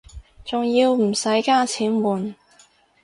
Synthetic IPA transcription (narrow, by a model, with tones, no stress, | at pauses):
t͡sʊ˨ŋjiː˧wm̩˨˩sɐ˨˥jkaː˥t͡sʰiː˨˥nwuː˨n